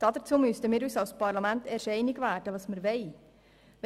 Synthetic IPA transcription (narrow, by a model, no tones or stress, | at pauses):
d̥̪ɑːd̪əɾt͡suːmʏstəmiːɾysɑlspɑɾlɑmæntɛɾʃɛɪnɪɡʋæːd̥əʋɑːsməɾʋɛɪ | ʋ